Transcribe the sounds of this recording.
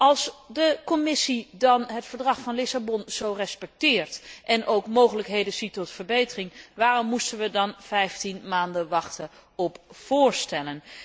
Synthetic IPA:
ɑlˠsdəkɔmɪsidɑnɦətfəɹdrɑχfɑnlɪsabɔnz̥owrɛspɛk̚tɪːɹtʔɛnʔowkmowχələkɦejdənz̥itɔtfəɹbejtərɪŋʋaːrɔmːustənʋədɑnvɛjftinmaːndənʋɑχtə | ɔpfʊːɹstɛlən

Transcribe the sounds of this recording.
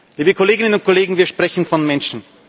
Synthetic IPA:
liːbəkʰoleːɡɪnənʊnt̚kʰoleːɡŋ̩viːɐʃpʁ̥ɛçn̩fɔnmɛnʃn̩

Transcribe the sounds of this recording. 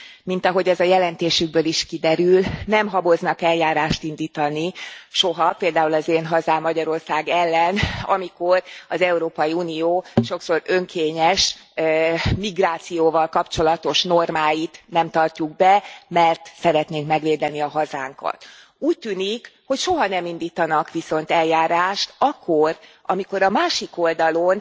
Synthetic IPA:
mint̪ɒɦo̞ɟɛzɒjɛlɛnt̪eːʃyɡ̚bøːliʃkid̪ɛɾylnɛmɦɒbo̞znɒkɛljaːɾaːʃt̪ind̪iːt̪ɒniʃo̞ɦɒpeːld̪aːulɒzeːnɦɒzaːmːɒɟɒɾo̞rsaːɡɛlːɛnɒ̰miko̞rɒzɛuɾoːpɒjiuːnioːʃo̞kso̞ɾø̞ŋkʰeːɲɛʃ | miɡraːt̪sijoːvɒlkɒpt͡ʃo̞lɒt̪o̞ʃno̞rmaːjit̪nɛmt̪ɒrcuɡ̚bɛmɛrt̪sɛɾɛt̪neːŋkmɛɡʋeːd̪ɛniɒɦɒza̰ːŋkɒ̰t̪ | uːc̚t̪yːnikho̞cʃo̞ɦɒnɛmind̪iːt̪ɒnɒkʋiso̞nt̪ɛljaːɾaːʃt̪ɒkʰːo̞rʔɒ̰miko̞ɾɒmaːʃiko̞ld̪ɒlo̞n

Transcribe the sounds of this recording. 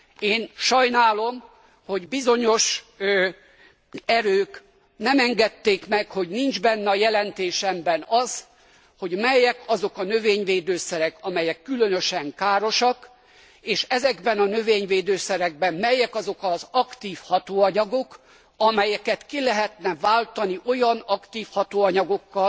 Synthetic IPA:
eːnʃɒjnaːlo̞m | ho̞ɟbizo̞ɲo̞ʃ | ɛɾøːk | nɛmɛŋɡɛt̪ːeːkmɛkho̞ɟnind͡ʒbɛnːɛɒjɛlɛnt̪eːʃɛmbɛnɒz | ho̞ɟmɛjɛkɒzo̞kɒnøveːɲveːd̪øːsɛɾɛkɒmɛjɛkːylønøʃɛŋkaːɾo̞ʃɒk | eːʃɛzɛɡbɛnɒnøveːɲveːd̪øːsɛɾɛɡ̚bɛmmɛjɛkɒzo̞kɒzɒkt̪iːfhɒt̪oːɒɲɒɡok | ɒmɛjɛkɛt̪kilɛɦɛt̪nɛvaːlt̪ɒniʔo̞jɒnɒkt̪iːfhɒt̪oːɒɲɒɡo̞kːɒ

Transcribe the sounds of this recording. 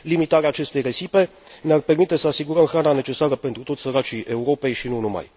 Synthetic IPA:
limit̪aɾeaːt͡ʃe̞st̪ejresipe | nearpermit̪esəasiɡuɾəmxɾananet͡ʃesaɾəpent̪ɾut̪osəɾat͡ʃieuɾo̞pejʃinunuma̰j

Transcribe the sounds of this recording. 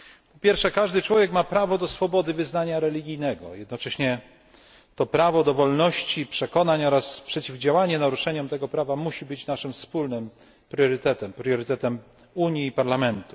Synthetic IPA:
pɔpʲjɛɾfʂɛkaʐd̪ɘt͡ʂwɔvʲjɛkmapɾavɔd̪ɔsfɔbɔd̪ɘvɘznaɲaɾɛlʲiɡʲijnɛɡɔ̰jɛd̪̚nɔt͡ʂɛɕɲɛ | t̪ɔpɾavɔd̪ɔvɔlnɔɕt͡ɕipʂɛkɔnaɲɔɾaspʂɛt͡ɕivd͡ʑawaɲɛnaɾuʂɛɲɔmt̪ɛɡɔpɾavamuɕibɘt͡ɕnaʂɘmfspulnɘm | pɾjɔɾɘt̪ɛt̪ɛmpɾjɔɾɘt̪ɛt̪ɛm | uɲjiːpaɾlamɛnt̪u̥

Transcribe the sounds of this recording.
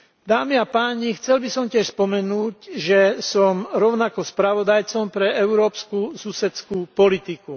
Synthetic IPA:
d̪aːmiapaːɲixt͡sɛlbisɔmcɪɛʃspɔmɛnuːcʒɛsɔmɾɔʊnakɔspɾaʋɔd̪ajt͡sɔmpɾɛɛʊɾɔːpskususɛskuːpɔlit̪iku

